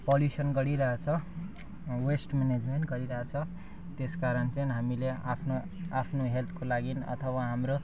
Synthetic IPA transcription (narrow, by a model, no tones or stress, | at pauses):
poljusʌnɡʌɽiɾʌɦat͡sʰʌ | wesʈmened͡zmeɳʈɡʌɾiɾʌɦat͡sʰʌ | t̪eskaɾʌnt͡sʌjɦamilea̰pʰno | apʰnoɦelt̪ʰkolaɡinʌ̰t̪ʰʌwaɦamɾo